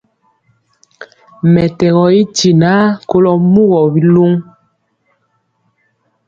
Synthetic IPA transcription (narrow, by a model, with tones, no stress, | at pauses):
mɛ˨tɛ˨ɣɔ˨i˦ti˨na˨˦ko˦lɔ˨mu˦ɣɔ˨bi˦lo˦ŋ